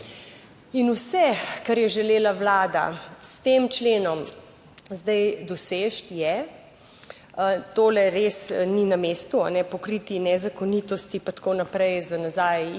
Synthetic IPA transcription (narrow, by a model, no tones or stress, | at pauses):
inusɛkaɾjɛʒɛleːlawlaːd̪a̰st̪emt͡ʃleːnɔm | zd̪ajd̪ɔseːʃt̪jɛ | t̪oːlɛɾesninameːst̪uanɛpɔkɾiːt̪inɛzakonit̪ɔst̪ipat̪koːnapɾɛjzanazaːj